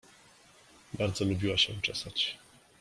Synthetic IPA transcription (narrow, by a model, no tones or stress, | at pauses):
baɾd̪zɔlubʲiwaɕɛt͡ʂɛsat͡ɕ